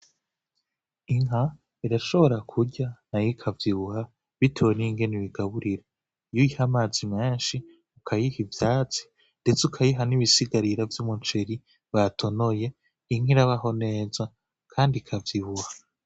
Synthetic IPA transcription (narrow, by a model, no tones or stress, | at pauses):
iŋɦa | iɾaʃo̞βo̞ɾakʰuɟanajikʰavjiβuha | βitʰeweniŋɡe̞niβiɡaβuɾiɾe | jujihamaːzimeːnʃi | ukʰajihivjaːt͡si̥ | nde̞t͡sukʰajiɦaniβisiɡaɾiɾavjumunt͡ʃeɾi | βatʰo̞no̞je̞ | iŋ̥iɾaβaɦo̞ne̞ːza | kʰaːndikʰavjiβuha